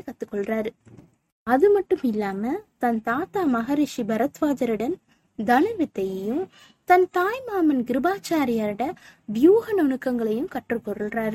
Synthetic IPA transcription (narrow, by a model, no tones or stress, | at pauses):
kɐt̪ːɯkːɔɭraːɾ | ɐðɯmɐʈːɯmɪlːaːmɐt̪ɐnt̪aːt̪aːmɐɣaːɾiʂibʱɐɾɐt̪ʋaːd͡ʒɐɾɯɽɐn | d̪ɐnɐʋɪt̪ːɐjɐjɯm | t̪ɐnt̪aːjmaːmɐnɡɪɾɯbaːt͡ʃaːɾɪjɐɾɽɐʋɪjuːɣɐnɔɳɯkːɐŋɡɐɭɐjɯmkɐʈrɯkːɔɾɯɭraːɾ